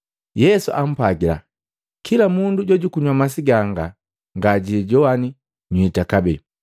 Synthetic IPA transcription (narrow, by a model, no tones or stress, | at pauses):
jɛsuʔam̩paɡila̰ | kʰilamunduɟɔɟukuɲwamas̬iɡaŋɡa | ŋɡaɟiiɟɔwani | ɲwitakabɛ